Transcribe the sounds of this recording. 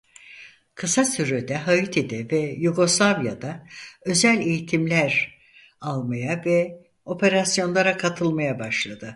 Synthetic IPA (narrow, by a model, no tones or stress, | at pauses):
kʰɯsasyɾyd̪ɛɦajɯt̪ʰed̪ɛvɛjuɡo̞slˠavjad̪aø̞zælʲe̞jit̪ʰimlʲæɾ | alˠmajavɛ | o̞pʰe̞ɾasjo̞nlˠaɾakʰat̪ʰɯlˠmajabaʃlˠad̪ɯ